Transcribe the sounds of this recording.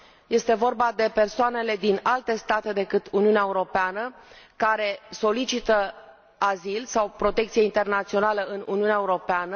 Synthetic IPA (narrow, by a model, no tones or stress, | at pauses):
je̞st̪e̞vo̞rbad̪e̞pe̞rsoane̞le̞d̪inalt̪e̞st̪at̪e̞d̪e̞kɨt̪uniuneaeuɾo̞peanəkaɾe̞so̞lit͡ʃit̪ə | azilsawpɾo̞t̪e̞k̚t̪sijeint̪e̞rnat̪sio̞naləɨnṵniuneaeuɾo̞peanə